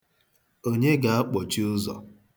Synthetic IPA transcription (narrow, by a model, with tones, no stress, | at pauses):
o˦ɲe˦ɡa˨a˦k͡pɔ˨t͡ʃi˦ʊ˦zɔ̰˨